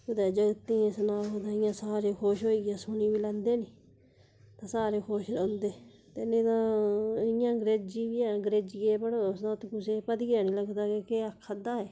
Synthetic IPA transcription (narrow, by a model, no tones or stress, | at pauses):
kʊd̪ɛːd͡ʒəɡt̪ːĩːẽsnaːoːt̪ãːɪjãːsaːɾeːkʰoːʃɦoːiːɡjaːsʊniːbiːlɛ̃ːnd̪eːniː | t̪ãːsaːɾeːkʰoːʃɾɛ̃ːnd̪eː | t̪enẽːt̪ãːɪjãːɡɾeːd͡ʒiːbiːãːɡɾeːd͡ʒiːeːpəɽosd̪ãːt̪ːkʊseːpəd̪ɡɛːniːləɡt̪aːkeːkeːakʰːəd̪aːɦɛː